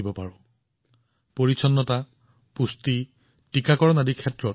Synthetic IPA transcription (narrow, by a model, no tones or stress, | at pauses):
ibɔpaɹɔ̃ | poɹisʰɔnːɔta | pusti | tikakɔɹɔnadikʰɛtɹɔt